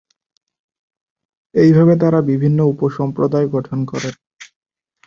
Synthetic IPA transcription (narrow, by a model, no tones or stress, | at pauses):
ejbʱabet̪aɾabibʱinːoupoʃɔmpɾod̪aeɡɔʈʰonkɔɾen